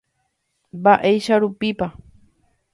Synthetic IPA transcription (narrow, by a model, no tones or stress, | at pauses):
baʔejʃaɾupipa